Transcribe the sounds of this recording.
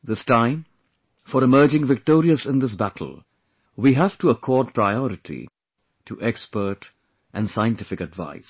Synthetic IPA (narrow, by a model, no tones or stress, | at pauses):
ðɪstãɪ̃m | fɔɾɪmɜːd͡ʒɪ̃ŋvɪk̚tɔːɾiəsɪ̃nd̪ɪs̬bætʰl̩ˠ | wiɦæfʈuəkʰɔːd̚pʰɾaɪɔɾɪʈʰḭ | tʰuʔɛkspə˞ʈ | ʔæ̃nsaɪɨ̃ntɪfɪkɨdva̰ɪs